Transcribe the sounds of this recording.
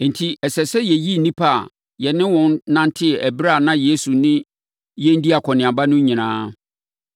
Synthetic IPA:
n̩˨tʰi˦ɛ˨sɛ˨sɛ˦jɛ˨ji˦n̩˨nĩ˦pʰa˦a̰˨ | jɛ˨nɪ̃˦wɔ̃˦nnã˦ntʰɪ˦ɛ˨ʔæ˨bɾa˦˨nã˦je˨˦su˨nɪ̃˦ | jɛ̃˦n˦di˦a˨kʰɔ˨nɪ̃˨ã˨ba˦nʊ̃˦ɲĩ˨nãː˦

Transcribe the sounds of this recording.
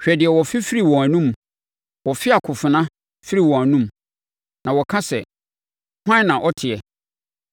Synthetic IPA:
ɕᶣɛ˨dɪ˨ɛ˨wɔ˨fɪ˦fi˦ɾi˦˨wɔ̃˨æ˨nũ˦m | wɔ˨fɪ˦a˨kʰʊ˨fɪ˨nã˦ | fi˦ɾi˨wɔ̃˨æ˨nũ˦m | nã˨wɔ˨kʰã˦sɛ̰˨ | hã˦nã˨ʔɔ˦tʰɪ˨ɛ˨

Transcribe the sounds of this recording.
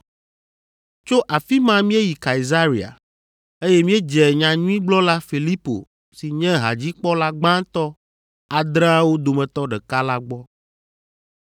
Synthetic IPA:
t͡ʃo˦ʔa˨fi˦mã˦mĩ˦e˦ji˨ka˨i˨za˦ɾi˨a̰˨ | e˦jɛ˦mĩ˦ɛ˦d͡ʒɛ˨ɲã˨ɲũ˦ĩ˦ɡ͡blɔ˦la˦fi˨li˦po̰˨ | si˨ɲɛ̃˦ɦa̰˨d͡ʑi˦k͡pɔ˦la˦ɡ͡bã˦t̪ɔ˦ | a˨d̪ɾã˦a˦wo˦d̪o˨mɛ̃˨t̪ɔ˦ɖɛ˨ka˦la˦ɡ͡bɔ˦

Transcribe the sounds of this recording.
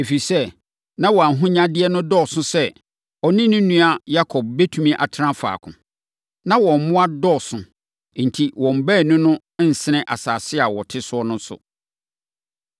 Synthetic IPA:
e˨fi˨sɛ˦ | nã˦wɔ˨a˨n˨ɦʊ̃˦ɲã˦dɪ˦ɛ˦nʊ̃˦dɔ˦˨sʊ̃˦sɛ˦ | ɔ˨nɪ̃˦nʊ̃˦nũ˦a˨ja˦kʰɔ˨b̚be˦tʰũ˦mĩ˦ʔa˨tʰɪ˦ɾã˦fa̰ː˨kʰʊ̰̃˨ | nã˦wɔ̃˨m̩˨mʊ̃˦a˦dɔ˦˨sʊ̃˨˦˨ | n̩˨tʰi˨wɔ̃˨m̩˨bæ˦˨nʊ̃˦nʊ̃˦n̩˨sɪ˨˦nɪ̃˦ʔa̰˨saː˨sɪ˦a˨wɔ˨tʰɪ˦sʊ˦ɔ˦nʊ̃˦n˦sʊ̰˨

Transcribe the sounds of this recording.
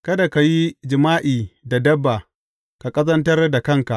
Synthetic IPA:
kɐ˦da˨ka˨ji˦d͡ʒɪ˨maː˦ʔiː˨da˨dɐ˦bːa˨ | ka˨kʼɐ˦zɐ˦ntɐ˦rda˨kɐ˦˨ŋka˨ʔ

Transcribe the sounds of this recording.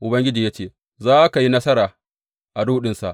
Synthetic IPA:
ʔʊ˨bɐ˦ŋɡʲɪ˦d͡ʒiː˨jaː˦t͡ʃeː˦˨ | zaː˦ʔka˨ji˦nɐ˦sɐ˦ɾaː˨ | ʔa˨duː˦ɗɪ˦nsa̰˨ʔ

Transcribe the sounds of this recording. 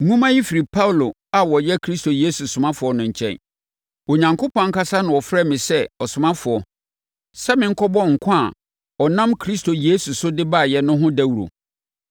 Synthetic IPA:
ŋũ˦mã˦ji˦fi˨ɾi˨pʰa˦wlo˨ | a˨wɔ˨jɛ˦kʰɾi˦sto˨je˦su˨sʊ˨mã˦fʊ˨ɔ˦nʊ̃˨ɲ̩˨t͡ɕʰɛ̰̃˦n | o˨ɲã˨ŋkʰʊ˦pɔ̃˦ŋ̩˦ka˦sa˦nʊ̃˨ɔ˨fɾɛ˦˨mɪ̃˨sɛ˦ɔ˨sʊ˨mã˦fʊ˨ɔ˨ | sɛ˦mɪ̃˦ŋ̩˦kʰɔ˦bɔ̃˦ŋ̩˨kʰã˦a˨ | ɔ˨nã˦mkʰɾi˦stʰo˨je˦su˨sʊ˦dɪ˦ba˦˨jɛ˨nʊ̃˦ɦʊ̃˦dæ˦wu˨ɾo̰˨

